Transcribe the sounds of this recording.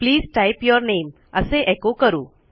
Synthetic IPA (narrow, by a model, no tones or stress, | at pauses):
pliːzʈaɪjpjɔɾneːm | əseʔekokəɾũː